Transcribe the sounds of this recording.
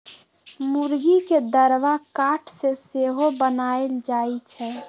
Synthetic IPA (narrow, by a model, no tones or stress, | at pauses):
muɾɡiked̪əɾʋakaʈʰseseɦobənaeld͡ʒait͡ʃʰɛ